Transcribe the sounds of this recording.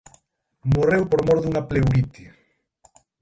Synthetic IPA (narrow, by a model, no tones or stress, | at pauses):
morewpoɾmoɾðuŋaplewɾit̪i